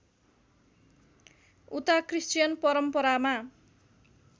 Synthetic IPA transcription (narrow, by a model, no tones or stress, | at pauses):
ut̪akrist͡ʃijʌnpʌɾʌmpʌɾama